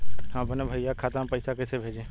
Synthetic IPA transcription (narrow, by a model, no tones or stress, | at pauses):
ɦãːbɐnabʱaɪjakʰaːt̪ãpɐɪsakɐsebʱeːd͡ʒẽː